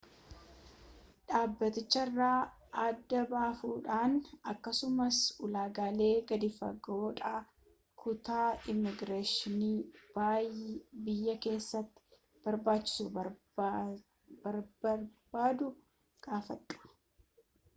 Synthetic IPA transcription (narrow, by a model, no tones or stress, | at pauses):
ᶑaːbːɐt̪ɪt͡ʃːɐrːaː | ɐd̪ːɐbaːfuːᶑaːnɐkːɐsʊmɐsʊlaːɡaːle̞ːɡɐd̪ɪfɐ̰ɡoːᶑaː | kʊt̪aːɪmɪɡɾeːʃɪniːb̥a | bɪjːɐke̞ːsːɐt̪ːɪ̥ | b̥ɐɾbaːt͡ʃːɪ̥suː | bɐɾbɐɾbaːd̪ʊ | ɡ̥aːfɐᶑʊ̥